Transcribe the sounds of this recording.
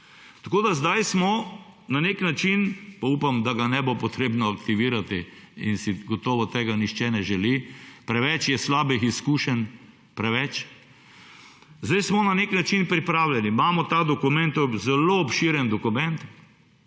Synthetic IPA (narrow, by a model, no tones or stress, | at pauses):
t̪ɐkoːd̪azd̪ajsmɔnaneknat͡ʃinpaupamd̪aɡanɛbopɔt̪ɾeːbnɔakt̪iʋiːɾat̪iḭnsiɡɔt̪ɔːʋɔt̪eːɡanixt͡ʃɛnɛʒɛlipɾɛʋɛt͡ʃjɛslaːbixiskuːʃən | pɾɛʋɛt͡ʃ | zd̪ajsmɔnaneknat͡ʃinpɾipɾaːwlʲjɛnimaːmɔt̪ad̪ɔkʊmɛ̃nt̪ɔzɛloɔpʃiɾjɛnd̪ɔkumɛnt̪